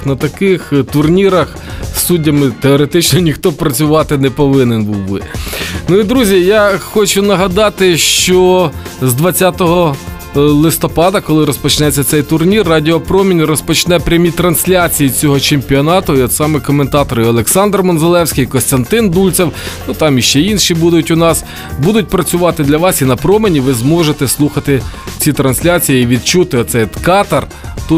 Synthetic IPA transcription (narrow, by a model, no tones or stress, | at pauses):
nɐt̪ɐkɪxt̪ʊrnʲiɾɐx | sːudʲːɐmɪt̪eɔɾet̪ɪt͡ʃnɔnʲixt̪ɔpɾɐt͡sʲʊʋɑt̪ɪnɛpɔʋɪnenbuwbɪ̰nuid̪ɾuzʲijaxɔt͡ʃʊnɐɦɐd̪ɑt̪ɪʃt͡ʃɔzd̪ʋɐt͡sʲːat̪ɔɦɔ | lˠɪst̪ɔpɑd̪ɐkɔlˠɪɾɔspɔt͡ʃnɛt͡sʲːɐt̪sɛjt̪ʊrnʲirːɑdʲiɔpɾɔmʲinʲrɔspɔt͡ʃnɛpɾʲɐmʲit̪ɾɐnsʲlʲat͡sʲijit͡sʲɔɦɔt͡ʃemʲpʲiɔnɑt̪ʊɔd̪sɑmɛkɔment̪ɑt̪ɔɾɔlˠeksɑnd̪rmɔnzelˠɛwsʲkʲɪjkɔnst̪ɐnt̪ɪnd̪ulʲt͡s̪ʲɛwnut̪ɑmiʃt͡ʃɛinʃibud̪ʊtʲʊnɑs | bud̪ʊt̚ʲpɾɐt͡sʲʊʋɑt̪ɪd̪lʲɐʋɑsinɐpɾɔmenʲiʋɪzmɔʒet̪ɛslˠuxɐt̪ɪt͡sʲit̪ɾɐnsʲlʲat͡sʲijiiʋʲid̪̚t͡ʃut̪ɪɔt̪sɛjt̪kɑt̪ɐr | t̪u